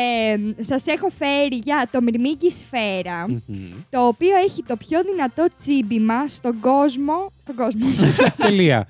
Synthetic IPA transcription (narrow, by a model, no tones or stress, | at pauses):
esɐse̞xo̞fe̞ɾiʝɐt̪o̞miɾmiɟisfe̞ɾɐt̪o̞ːpio̞eçit̪o̞pço̞ðinɐt̪o̞t͡sibimɐst̪o̞ɡo̞zmo̞st̪o̞ɡo̞zmot̪eliɐ̰